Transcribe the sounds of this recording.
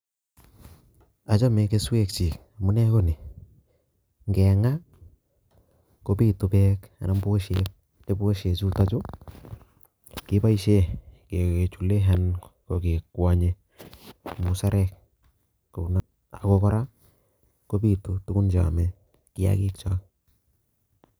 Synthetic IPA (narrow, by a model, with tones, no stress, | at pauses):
a˨t͡ʃa˦me˨ke˦swe˦k̚t͡ʃi˨ka˨mu˦nɛ˦ko˦ne˨ | ŋɡɛ˨ŋa˦ | ko˦bi˦tu˨bɛka̰˨na˦mbo˦ʃek̚ | ne˦bo˦ʃe˨t͡ʃu˦ta˦t͡ʃu˦ | kɪ˦ba˦i˦ʃe˦ke˨e˨t͡ʃu˨le˦ɦa˦nko˨ke˨kwa˨ɲe˦ | mu˨sa˦ɾɛ˦k̚ | ko˨na˦ | a̰˨ko˦kɔ˦ɾa˦ | ko˦bi˦˨tu˦tu˦ku˦nd͡ʒa̰˨mɛ˦ | ki˦a̰˨ki˦kt͡ʃa˦k